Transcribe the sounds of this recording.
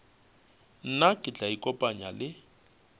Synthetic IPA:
n̩nakʼɪt͡ɬʼaikʼɔpʼaɲalɪ

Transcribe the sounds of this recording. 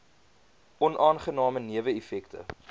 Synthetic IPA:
ʔɔnʔɑːnχənɑːməniəvəɛfɛktə̰

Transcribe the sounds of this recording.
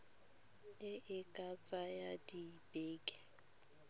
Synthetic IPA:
ɪʔɪkʼat͡sʼajadibʼeːkʼɛ̥

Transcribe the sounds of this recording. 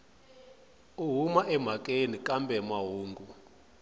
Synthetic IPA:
uɦumaʔɛm̤akʼenikʼambɛmaɦuːŋɡu

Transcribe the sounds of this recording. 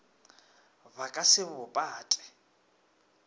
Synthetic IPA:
bakʼasɪbʊpʼaːtʼɛ̥

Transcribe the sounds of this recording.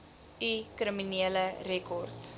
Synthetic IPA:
ikrəminiələrɛkɔrt

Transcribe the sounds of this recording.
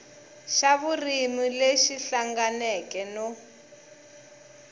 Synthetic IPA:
ʃaβurimileʃiɬaŋɡanɛkɛnɔ

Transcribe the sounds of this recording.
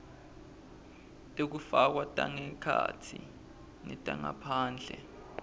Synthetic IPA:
tʼek̬ufak̬watʼaŋɛkʰatʰi | nɛtʼaŋapʰaːnd͡ɮʱɛ

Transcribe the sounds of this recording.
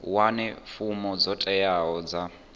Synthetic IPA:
wanɛfumɔd͡zɔtʼɛjaɦɔd͡za

